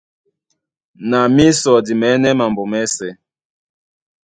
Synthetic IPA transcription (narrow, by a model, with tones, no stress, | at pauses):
na˨mi˦sɔ˨di˨mɛ˨˦nɛ˦ma˨mbɔ˨mɛ˦sɛ˨